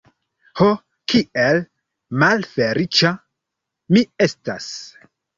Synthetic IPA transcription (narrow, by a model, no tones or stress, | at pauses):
ho | kiel | malfeɾit͡ʃa | miestas